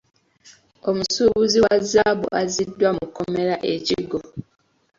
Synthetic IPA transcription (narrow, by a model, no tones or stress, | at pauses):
o̞musuːβuziwazːabṵʔazidːwamukome̞ɾaʔeciɡːo